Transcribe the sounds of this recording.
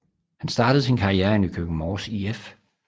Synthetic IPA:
hænsd̥ɑ̈ːd̥əð̞̩ˠsinkʰɑ̈ʁieɐenykʰøɡ̥ŋ̩mɒːsief

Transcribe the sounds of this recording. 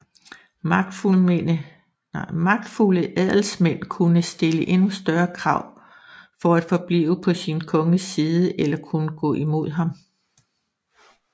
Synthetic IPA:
ɪ̰mɑ̈ɡ̥̚d̥fuləʔæðˠl̩smen̰kʰunəsd̥e̝ləʔe̝nusd̥ɶɐkʰʁɑ̈ʊ̰ | fɒ̽æd̥fɒ̽b̥lḭːʊəpʰɒ̽sinkʰɔ̽ŋəsiːðˠəʔelɐkʰunəɡ̥ɔ̰̽ːʔimo̝ð̰ˠɦɑ̈m

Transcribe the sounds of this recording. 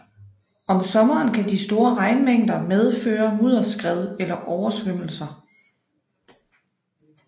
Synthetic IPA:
ɒ̽msɒ̽mɐːnkʰædisd̥o̝ːɐʁɑ̈ɪnmeŋ̰d̥ɐmeð̞ˠføːɐmuð̰ˠɐsɡ̥ʁɛð̞ˠelɐʔɒʊɐsʋøm̰l̩sɐ

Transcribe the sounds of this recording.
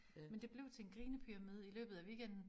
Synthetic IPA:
mend̥e̝b̥le̝ʊt͡sʰe̝enɡ̥ʁiːnəpʰyʁɑmið̞̰ˠilø̰ːb̥ð̞̩ˠæʋḭːɡ̥en̰d̥n̩

